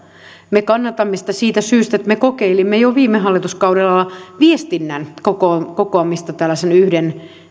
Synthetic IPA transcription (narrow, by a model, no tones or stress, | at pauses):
mekɑnːɑt̪ɑmːesi̥t̪æsiːt̪æsyːst̪æet̪mekokeilimːejoʋiːmːehɦɑlːit̪uskɑuɾelɑlːɑʋiest̪inːænkokokokoɑmːist̪ɑt̪ælːæsenyhden